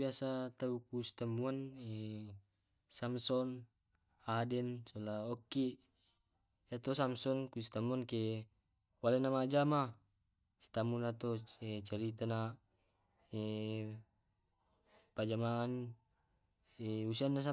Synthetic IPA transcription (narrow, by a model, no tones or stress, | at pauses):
iasat̪aukusi̥t̪amuane | samsɔn | adɛnsolaokːi | jat̪osamsɔnkusi̥t̪amuanke | walenamad͡ʒama | si̥t̪amunat̪oet͡ʃaɾit̪ana | e | pad͡ʒamaːn | eusianːas̬a